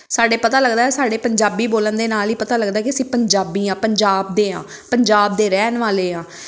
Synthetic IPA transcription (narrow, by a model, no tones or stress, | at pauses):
saːɖeːpət̪aːləɡd̪aːɛːsaːɖeːpəɲd͡ʒaːbiːboːlənd̪eːnaːliːpət̪aːləɡd̪aːɛkɪəsĩːpəɲd͡ʒaːbiːãːpəɲd͡ʒaːb̚d̪eːɦãː | pəɲd͡ʒaːb̚d̪eːɾɛːnʋaːleːɦãː